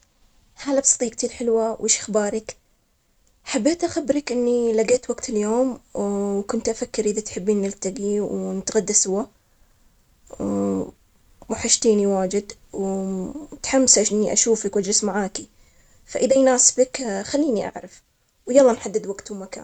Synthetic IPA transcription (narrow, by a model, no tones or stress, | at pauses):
haːlabsˤɑ̥t̪ˤiːk̚t̪ʰiːɾħɪlwawʔɪːʃʔaxbaːɾˤɪk | ħabːeːt̪ʔaxabːɾɪkʔɪnːilaɡeːt̪waɡt̪ɪljoːmwkʊnt̪ʔafakːɪɾʔɪðat̪ħɪbːiːnːɪlt̪aɡiwnɪt̪ɣad̪ːasʊwa | maħaʃt̪iːniwaːd͡ʒɪd̪w | t̪ħamːsʔaʃʔɪnːiʔa̰ʃuːfakwʔad͡ʒɾɪsmaʕaːki | faʔɪðajnaːsbakxalːiːniʔa̰ʕɾɑf | wjɑlˤːɑːnħad̪ːɪd̪waɡt̪uwmaka̰ːn